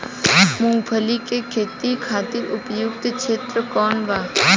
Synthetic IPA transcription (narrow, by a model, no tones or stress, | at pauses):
mʊ̃ŋɡpʰəlikekʰeːt̪ikʰaːt̪ɪɾʊpjʊɡ̚t̪t͡ʃʰeːt̪ɾəkɔːnʋaː